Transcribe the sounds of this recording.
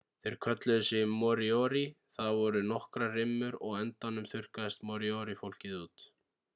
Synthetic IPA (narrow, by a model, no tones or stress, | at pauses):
θeɾ̥kʰœt̪lʏðʏsɪmːɔɾiɔɾi | θaðvɔɾʏnɔhkɾarɪmːʏɾɔɣɛnt̪anʏmθʏr̥kaðɪst̪mɔɾiɔɾifowl̥cɪðuːt̪